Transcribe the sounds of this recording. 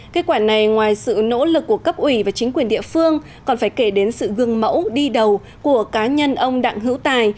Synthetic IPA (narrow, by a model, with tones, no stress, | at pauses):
ke˧t̚kwaː˧˩na˨˩jŋwaː˨˩jsɨ̰˧˨no̰˧˥lɨ˨˩k̚ːu˧˩əkə˦˥p̚ʔwi˧˩vaː˨˩t͡ɕï˨˦ŋ̟kwi˨˩ənɗḭ˧˨əfɨ˧əŋ | kɔ˨˩nfaː˧˩jke˧˩ɗe˨˦nsɨ̰˧˨ɣɨ˧˩əŋmə̰˧˥wɗi˧ɗə˨˩w | ku˧˩əkaː˨˦ɲə˧nʔə˧wŋ͡mɗa̰ː˧˨ŋɦɨ̰˧˥wt̪aː˨˩j